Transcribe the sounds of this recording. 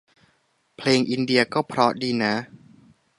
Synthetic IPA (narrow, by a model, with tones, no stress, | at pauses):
pʰleː˧ŋʔi˧ndi˧ɐkɔː˥˩pʰɾɔ˦˥diː˧na˦˥